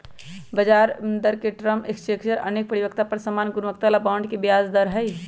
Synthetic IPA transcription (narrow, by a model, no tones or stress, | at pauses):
bəd͡ʒaɾnd̪əɾkeʈɾəmekst͡ʃekt͡ʃəɾə̰nek̚pəɾiʋək̚t̪apəɾsəmanɡunʋək̚t̪alapaʊɳɖkebijazd̪əɾɦəj